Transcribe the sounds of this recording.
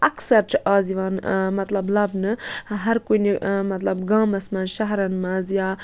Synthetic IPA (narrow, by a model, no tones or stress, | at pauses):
ʔɐksɐɾt͡ʃʰɨʔaːziʋaːnmɐt̪lɐblɐbnɨɦɐɾkojnimɐt̪lɐbɡãːmɐsmɐnʃaɦɾɐnmazjaː